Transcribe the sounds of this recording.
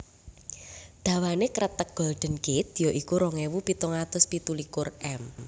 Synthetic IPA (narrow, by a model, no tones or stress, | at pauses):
d̪̥a̤wanekəɾət̪ək̚ɡ̥ɔ̤lɖ̪̥ə̤nɡ̥et̪̚joʔikuɾɔŋewupit̪ɔŋat̪ʊspit̪ulikʊrɛm